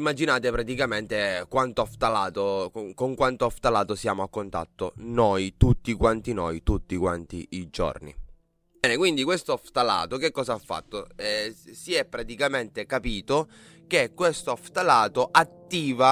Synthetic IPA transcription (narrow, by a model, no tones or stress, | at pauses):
imːad͡ʒinaːt̪epɾat̪ikament̪ekwant̪oaft̪alaːt̪okoŋkwant̪oaft̪alaːt̪osjaːmoakːont̪a̰t̪ːo̰nojt̪ut̪ːikwant̪inojt̪ut̪ːikwant̪ḭːd͡ʒo̰rnḭ | bɛkwind̪ikwest̪oaft̪ala̰ːt̪ok̟ekːɔːzaafːa̰t̪ːoɛsiɛpːɾat̪ikament̪ekapiːt̪o | k̟ekːwest̪oaft̪alaːt̪oʔat̪ːiːva